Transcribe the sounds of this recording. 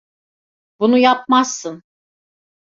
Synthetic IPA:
bunujap̚masːɯn

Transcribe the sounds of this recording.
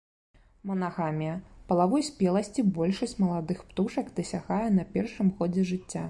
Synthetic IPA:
mɐnaɣamʲijɐpɐlˠavɔjsʲpʲɛlˠɐsʲt͡sʲibɔlʲʂɐsʲt͡sʲmɐlˠad̪ɨxpt̪uʂɐkd̪ɐsʲaɣajɛnɐpʲɛrʂɨmxɔd͡zʲɛʐɨt͡sʲːa

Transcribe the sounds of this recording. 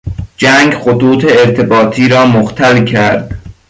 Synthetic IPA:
d͡ʒæŋɡxot̪uːt̪ʰeeɾt̪ʰe̞bɒːt̪ʰiːɾɒːmoxt̪ʰælcʰæɾd̪̥

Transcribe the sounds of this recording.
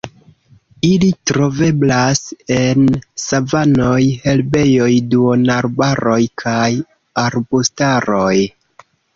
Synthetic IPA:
ilitɾo̞ve̞blase̞nsavano̞jhe̞lbe̞jo̞jduonaɾbaɾo̞jkʰaj | aɾbostaɾo̞j

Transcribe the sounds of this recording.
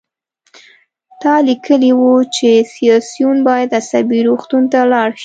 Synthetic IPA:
t̪ɑlikəliwut͡ʃesijɑsjunbɑjad̪asabiɾoxt̪unt̪alɑɽʃi̥

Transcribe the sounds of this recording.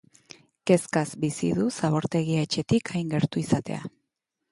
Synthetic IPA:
ke̞skazbisḭðusaβo̞ɾt̪e̞ɣ̞iaet͡ʃe̞t̪ikʰajŋɡe̞ɾt̪uisat̪e̞̰a̰

